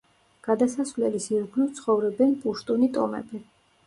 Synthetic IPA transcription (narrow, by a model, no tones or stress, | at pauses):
ɡ̥ad̪asasvlɛlisiɾɡlit̪sʰχɔvɾɛbɛnpʼuʃt̪ʼunit̪ʼɔmɛ̰bi